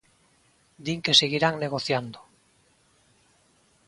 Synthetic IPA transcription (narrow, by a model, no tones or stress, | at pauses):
d̪iŋkeseɣiɾaŋneɣoθjand̪o